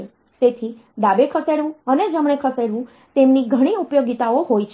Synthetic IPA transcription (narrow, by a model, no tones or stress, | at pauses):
t̪et̪ʰi | ɖ̪abekʰəseɽʋũəned͡ʒəmɳ̃ekʰəseɽʋũ | t̪emniɡʱəɽ̃iupjoɡit̪aoɦojt͡ʃʰ